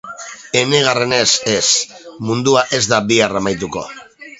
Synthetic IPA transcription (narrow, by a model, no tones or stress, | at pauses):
e̞ne̞ɣ̞are̞ne̞se̞smund̪uaʔe̞zd̪abiaramajt̪̬uko̞̰